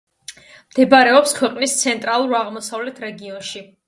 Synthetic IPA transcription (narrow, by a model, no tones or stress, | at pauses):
md̪̥ɛbaɾɛɔpskʰwɛqʼnist̪sʰɛnt̪ʼɾalˠuɾaʁmɔsavlɛt̪ʰɾɛɡiɔnʃi